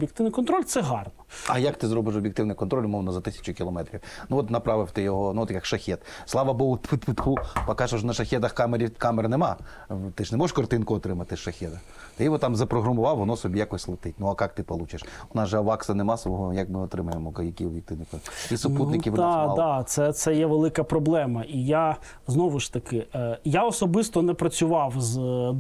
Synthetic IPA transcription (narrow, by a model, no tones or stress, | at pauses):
bʲjɪk̚t̪ɪʋwnɪjkɔnt̪ɾɔlʲt̪sɛɦɑrnɔɐjɐkt̪ɪzɾɔbɪʃ̬ɔbʲjɪk̚t̪ɪʋnɪjkɔnt̪ɾɔlʲʊmɔʋnɔzɐt̪ɪsʲɐ̥t͡ʃʊkʲilˠɔmɛt̪ɾʲiwnuɔt̪nɐpɾɑʋɪwt̪ɪjɔɦɔnuɔt̪jɐkʃɐxʲɛt̪slˠɑʋɐbɔɦʊt̪pɪt̪pɪt̪pupɐkɑʒoʒnɐʃɐxʲɛt̪ɐxkɑmeɾʲikɑmernemɑ | t̪ɪʒnɛmɔeʃkɔrt̪ɪnkʊɔt̪ɾɪmɐt̪ɪʃɐxʲɛd̪ɐ | t̪ɪjʋɔt̪ɑmzɐpɾɔɦɾɐmʊʋɑwʋɔnɔsɔbʲijakɔsʲlˠɪt̪ɪt̚ʲnʊɐkɑk̚t̪ɪpɔlˠut͡ʃɐʃʊnɑʒɛɐʋɑksɐnemɑsʋɔɦɔjɐkmɪɔt̪ɾɪmɐjemɔkɐjɐkʲiʋʲik̚t̪ɪnɪkɔisʊp̪ut̪nɪkʲiʋd̪amld̪at̪sɛt̪sɛjɛʋelˠɪkɐpɾɔblˠɛmɐʔija | znɔʋʊʃt̪ɐkɪjaɔsɔbɪst̪ɔnɛpɾɐt͡sʲʊʋɑwz